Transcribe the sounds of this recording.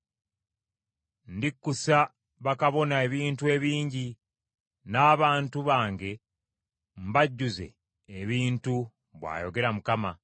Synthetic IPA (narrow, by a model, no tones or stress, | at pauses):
ndikːusa | βakaβo̞nae̞βiːntue̞ːβiːɲɟi | naːβaːntuβaːŋɡe̞ | m̩baɟːuze̞̰ː | βiːntu | βwa̰ːjo̞̰ɡe̞ɾamukama